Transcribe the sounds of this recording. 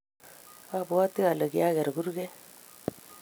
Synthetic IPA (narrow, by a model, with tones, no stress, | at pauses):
a˦˨bu˨a˦ti˦a˨lə˨ɡi˨a˦ɡɛ˨ɾɡu˦ɾɡɛ˦